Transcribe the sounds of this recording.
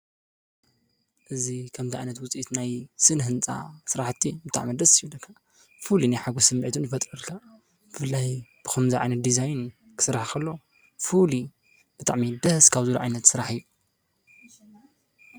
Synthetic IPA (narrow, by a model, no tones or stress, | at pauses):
ʔɨzikʰɐmt̪iʔʕajnɐt̪wʊt͡sʼiit̪najsɨnɦɨnt͡sʼa̰sɨɾaħt̪ʰːibɨt̪ʼa̰ʕmid̪ɐsjiβlːɐkʰːa | fulinajħaɡosɨmːʕit̪ʰunjɨfɐt̪ʼɾɐlkʰa | b̥ɨfɨlːajb̥ɨxɐmziʕa̰jnɐt̪̚d̪izajn | kʰɨ̥sɨɾaħkʰɐlːo̞ | fuli | b̥ɨt̪ʼa̰ʕmid̪ɐhskʰaβzɨlṵʕa̰jnɐt̪sɨɾaħɨjːu